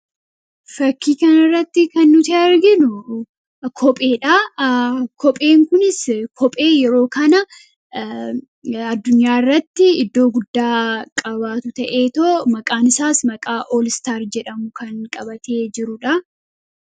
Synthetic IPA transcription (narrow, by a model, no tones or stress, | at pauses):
fɐkːiːkɐnɪrːɐt̪ːɪkɐnːʊt̪ɪɐɾɡɪnʊ | kʰɔpʼe̞ːᶑɐ | kʰɔpʼe̞ːŋkʊnɪskʰɔpʼe̞ːjɛɾo̞ːkɐnɐ | ɐd̪ːʊɲːaːɪrːɐt̪ːɪɪd̪ːo̞ːɡʊd̪ːaːkʼɐbaːt̪ʊt̪ɐʔe̞ːt̪oːmɐkʼaːnɪsaːsmɐkʼaːʔoːlɪst̪aːɾd͡ʒɛᶑɐmʊkɐnkʼɐbɐt̪e̞ːd͡ʒɪɾʊᶑɐ